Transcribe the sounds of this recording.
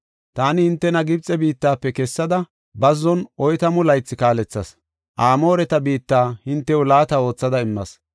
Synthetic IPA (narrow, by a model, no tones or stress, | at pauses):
t̪aːnɪhɪnt̪ːɛnɐɡɪbt͡sʼːɛbiːt̪ːaːpːɛkɛsːɐd̪ɐ | bɐzːɔnʔɔjt̪ɐmʊlɐjt͡sːɪkaːlɛt͡sːɐs | ʔaːmo̞ːɾɛt̪ɐbiːt̪ːaːhɪnt̪ːɛwʊlaːt̪ɐo̞ːt͡sːɐd̪ɐɪmːɐs